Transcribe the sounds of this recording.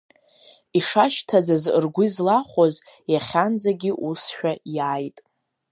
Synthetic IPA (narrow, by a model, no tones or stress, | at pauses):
iʂaʃtʰad͡zaz̰rɡʷʊzlaχʷozjaχʲand͡zaɡʲiʔusʃᶣajaːjtʼ